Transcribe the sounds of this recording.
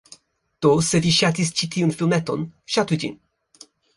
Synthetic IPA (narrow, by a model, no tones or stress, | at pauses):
t̪oseviʃat̪ist͡ʃit̪ʰiɨnfilˠmɛt̪ɔ̰nʃat̪ud͡ʒḭn